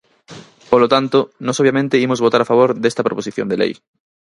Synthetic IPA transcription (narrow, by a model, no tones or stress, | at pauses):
polot̪ant̪onɔsoβjamẽnt̪eimozβot̪aɾafaβ̞oɾðest̪ɐpɾoposiθjo̰nd̪elḛj